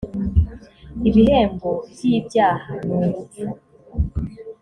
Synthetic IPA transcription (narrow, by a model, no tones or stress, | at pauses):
iβihe̞ːmbobjiibjaːhanuːmu